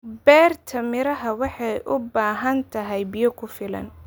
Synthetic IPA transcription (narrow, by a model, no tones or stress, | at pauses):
bɛːrt̪ʰɐmɪɾɐɦɐwɑħɑjʔʊbaːɦɐnt̪ʰɐɦɛjbɪjɐkʰʊfɪlɐ̰n